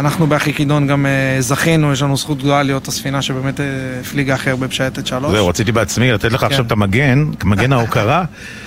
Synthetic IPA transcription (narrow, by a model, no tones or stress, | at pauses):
anaχnubeaχikid̪o̞nɡamezaχinujeʃ̬lanusχut̪̚ɡloalijo̞t̪asfinaʃebe̞ːmet̪ːfliɡaːχe̞ʁbepʃajet̪etʃalozeuʁat͡sit̪ibeat͡smilat̪et̪leχaːaʃavet̪amaɡenamaɡenaukaʁa